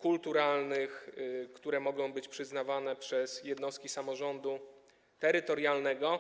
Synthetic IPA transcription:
kult̪uɾalnɘxkt̪uɾɛmɔɡɔ̃w̃bɘt͡ɕpʂɘznavanɛpʂɛsjɛd̪nɔst̪̚kʲisamɔʐɔnd̪u | t̪ɛɾɘt̪ɔɾjalnɛɡɔ

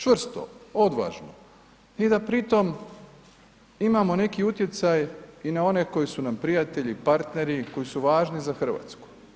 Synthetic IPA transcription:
t͡ʃʋr̩st̪o̰od̪ʋa̰ːʒno | id̪apɾit̪o̞m | imamo̞ne̞kiut̪je̞t̪sajinao̞ne̞ko̞jisunampɾijat̪e̞ʎipaɾt̪ne̞ɾiko̞jisuʋaːʒnizaxr̩ʋa̰ːt̪sku̥

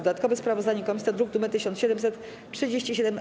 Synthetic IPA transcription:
d̪ɔd̪at̪̚kɔvɛspɾavɔzd̪aɲɛkɔmʲisʲɔd̪ɾuɡ̚d̪umɛt̪ɘɕɔnt̪ɕɛd̪ɛmsɛt̪ | t͡ʂʂɘd͡ʑeɕt͡ɕiɕ̬ɛd̪ɛm

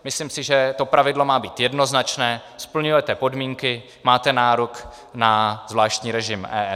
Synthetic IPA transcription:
mɪsliːmsɪʒɛt̪o̞pɾavɪdlo̞maːbiːt̪jɛdno̞znat͡ʃnɛːspl̩ɲujɛt̪ɛpo̞dmiːŋkɪ | maːt̪ɛnaːɾok | nazvlaːʃt̪ɲiːɾɛʒɪmʔɛ̰ːɛ

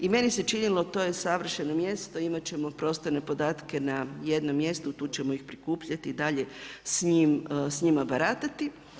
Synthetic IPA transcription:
ime̞nise̞t͡ʃinilo̞t̪o̞ːje̞saʋr̩ʃe̞no̞mje̞st̪o̞imat͡ɕe̞mo̞pɾo̞ːst̪oɾne̞po̞d̪aːt̪ke̞naje̞d̪no̞mːje̞st̪ut̪uːt͡ɕe̞moixpɾikuːpʎat̪iːd̪aʎe̞sɲimsɲimabaɾaːt̪at̪i

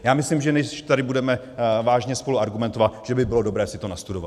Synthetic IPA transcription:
jaːmɪslimʒɛnɛʃt̪adɪbudɛmɛ | vaːʒɲɛspoluaɾɡumɛnt̪ovat̪ʒ̥ɛbɪbɪlo̞do̞bɾɛːsɪt̪o̞nast̪udo̞va̰

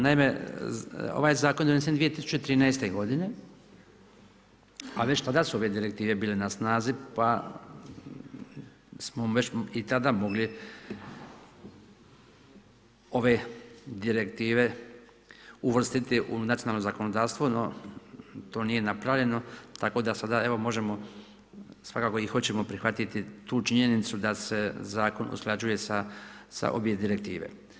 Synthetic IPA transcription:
naime | o̰ʋajzaːkond̪nisend̪ʋijet̪isu̥t͡ʃet̪ɾiːnajst̪eɡo̞d̪ine̞ | a̰ʋe̞t͡ɕt̪ad̪asuo̞ʋe̞d̪iɾe̞k̚t̪iːʋe̞biːlenasnaːzipa | smoʋe̞t͡ɕit̪ad̪amo̞ɡli | o̞ʋe̞d̪iɾe̞kt̪iːʋe̞ | uʋr̩st̪it̪iʔunat̪ionalnozako̞nod̪aːɾst̪ʋono | t̪o̞ːnije̞napɾaʋlʎe̞no̞t̪ako̞d̪asad̪ae̞ʋo̞mo̞ʒe̞mo̞ | sʋakaːkoixo̞t͡ɕe̞mo̞pɾixʋat̪it̪it̪uːt͡ʃiɲe̞nit̪sud̪ase̞zaːko̞nʔṵsklˠad͡ʑuje̞sasa̰ʔo̞̰bje̞d̪iɾe̞k̚t̪iːʋe̞̰

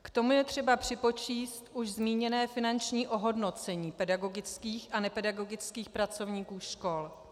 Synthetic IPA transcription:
kt̪o̞mujɛt̪r̥ɛbapr̝̥ɪpo̞t͡ʃiːst̪ʔuʃzmiːɲɛnɛːfɪnant͡ʃɲiːʔo̞ɦo̞dno̞t͡sɛɲiːpɛdaɡo̞ɡɪt͡skiːxʔanɛpɛdaɡo̞ɡɪt͡skiːxpɾat͡so̞vɲiːkuːʃko̞l

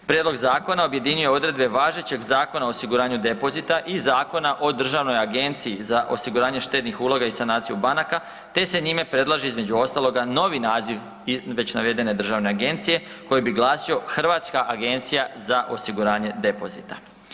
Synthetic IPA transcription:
pɾjed̪lo̞ɡzaːko̞naobje̞d̪iɲuje̞o̞d̪ɾe̞d̪be̞ʋaːʒe̞t͡ɕe̞ɡzaːko̞naoːsiɡuɾaːɲud̪e̞po̞zit̪aʔizaːko̞naʔo̞d̪r̩ʒaʋno̞jaɡe̞nt̪sijizaʔo̞siɡuɾaːɲeʃt̪e̞t̪nixuːlˠo̞ɡaisanaːt̪sijubanaka | t̪e̞se̞ɲime̞pɾe̞d̪lˠaʒiizme̞d͡ʑuo̞st̪alˠo̞ɡano̞ʋinaːziʋ | ʋe̞t͡ɕnaʋe̞d̪e̞ne̞d̪r̩ʒaʋne̞aɡe̞nt̪sije̞ | ko̞jebiɡlˠaːsio̞xr̩ʋat̪skaʔaɡe̞nt̪sijazaʔo̞siɡuɾaːɲe̞d̪e̞po̞̰zit̪a

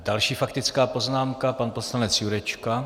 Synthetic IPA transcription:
dalʃiːfakt̪ɪt͡skaːpo̞znaːmkapanposlanɛt͡sjuɾɛt͡ʃka

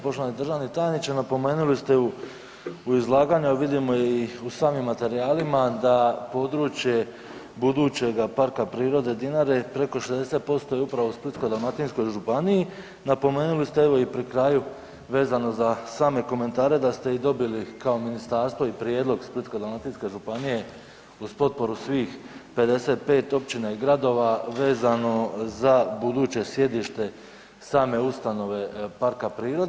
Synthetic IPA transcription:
poʃt̪oanid̪ɾr̩ʒaːʋnit̪ajnit͡ʃanapo̞me̞ːnulist̪eu | uizlˠaːɡaːɲuʋid̪imo̞iusaːmimːat̪e̞ɾijaːlimad̪apo̞d̪ɾuːt͡ʃje̞ | bud̪uːt͡ɕe̞ɡapaɾkapɾiːɾo̞d̪e̞d̪inaɾe̞pɾe̞ko̞ʃezd̪e̞set̪̚po̞st̪o̞jeupɾaʋousplɾit̪sko̞d̪almat̪insko̞jʒupanii | napo̞me̞ːnulist̪eeʋo̞ipɾikɾaːju | ʋe̞ːzano̞zasaːme̞ko̞me̞nt̪aːɾe̞d̪ast̪e̞id̪o̞bilikaominist̪aːɾst̪ʋo̞ipɾje̞ːd̪lˠo̞ɡspɾit̪kod̪almat̪iːnske̞ʒupanije̞ | uzpo̞t̪̚po̞ɾusʋiːxpe̞d̪e̞se̞ːt̪̚pe̞ːt̪o̞pt͡ɕinaiɡɾad̪o̞ːʋaʋe̞ːzano̞zabud̪uːt͡ɕe̞sje̞d̪iʃt̪e̞ | saːme̞ust̪ano̞ʋe̞paɾkapɾiːɾod̪

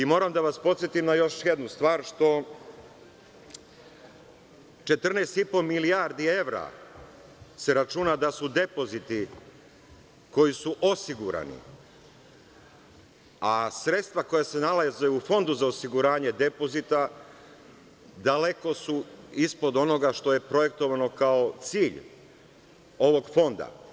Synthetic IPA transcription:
imo̞ːɾamd̪aʋaspo̞t̪sjet̪imnajo̞ʃjed̪nust̪ʋaːɾʃt̪o̞ | t͡ʃe̞t̪r̩nest̪ipo̞miliaɾd̪ie̞ʋɾa̰ | se̞ɾat͡ʃunad̪asud̪e̞po̞zit̪i | ko̞jisuʔo̞siɡuɾa̰nḭ | asɾe̞t̪st̪ʋako̞jase̞nalazeufo̞nd̪uzao̞siɡuɾaːɲe̞d̪e̞po̞zit̪a | d̪ale̞ko̞suispo̞d̪o̞no̞ɡaʃt̪o̞je̞pɾo̞je̞k̚t̪o̞ʋano̞kao̞t̪siːʎ | o̞ʋo̞ɡfo̞nd̪a̰

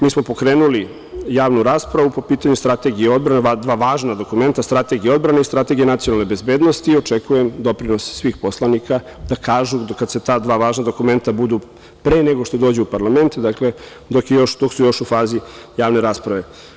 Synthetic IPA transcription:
miːsmo̞po̞kɾeːnuli | jaːʋnuɾaːspɾaʋupo̞piːt̪aɲust̪ɾat̪e̞ɡijeo̞d̪̚bɾanead̪ʋaːʋaːʒnad̪o̞kume̞nt̪ast̪ɾat̪e̞ɡijeo̞d̪bɾaneist̪ɾat̪e̞ɡijenat̪sionalˠnebe̞zbeːd̪nost̪iːo̞t͡ʂekujemd̪o̞pɾino̞sːʋiːxpo̞slˠanikʰa | d̪akʰaːʒukad̪se̞t̪aːd̪ʋaːʋaːʒnad̪o̞kume̞nt̪abud̪u | pɾeːneɡoʃt̪o̞d̪oːd͡ʑeupaɾlˠame̞nt̪d̪akle | d̪o̞kjejo̞ʃd̪o̞ksujo̞ʃufaːzijaːʋne̞ɾaːspɾaʋe̞

